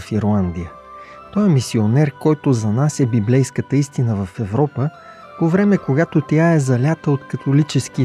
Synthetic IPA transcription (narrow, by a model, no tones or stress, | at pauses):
fiɾlˠand̪ijə | t̪ɔjɛmisionɛɾkɔjt̪ozɐnasɛbiblɛjskət̪əist̪inəvəfɛvɾɔpə | povɾɛmɛkoɡat̪ot̪jaɛzɐlʲat̪əot̪kɐt̪olit͡ʃɛski